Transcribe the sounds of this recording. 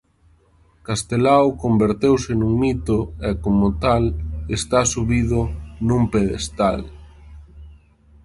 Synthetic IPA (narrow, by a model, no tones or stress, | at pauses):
kast̪elawkombeɾt̪ewsɪnuŋmit̪oɛkomʊt̪alest̪asuβiðʊnumpeðḛst̪al